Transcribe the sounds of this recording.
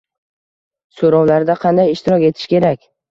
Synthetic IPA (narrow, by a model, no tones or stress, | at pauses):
soɾawlaɾd̪aqʰɑnd̪ajɪʃt̪ʰɪɾɒkʲe̞t̪ʰɪ̥ʃkʲʰe̞ɾakʲ